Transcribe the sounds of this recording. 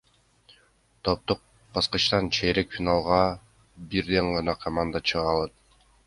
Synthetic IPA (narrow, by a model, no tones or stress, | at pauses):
t̪ʰop̚t̪uq̚ | bɑsqɑt͡ʃt̪ɑnt͡ʃʰeɾekfʲinalˠʁɑ | biɾd̪eŋʁɑnɑkʰamand̪ɑt͡ʃʰɯʁɑlˠɯt̪